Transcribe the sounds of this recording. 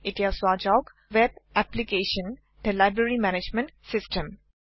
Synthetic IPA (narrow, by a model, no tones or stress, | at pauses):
ɪʈiaswaːd͡ʒɔɡ | ʋɛbæplikeːʃə̃n | ɖəlaɪbɾəɾimænɪd͡ʒmə̃ɳʈsɪsʈə̃m